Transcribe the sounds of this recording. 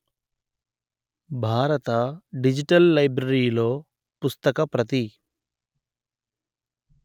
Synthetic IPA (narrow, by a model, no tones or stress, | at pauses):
bʱaːɾɐt̪ɐɖid͡ʒiʈɐlːɐjbɾɐɾiːlo̞ː | pust̪ɐkɐpɾɐt̪̬i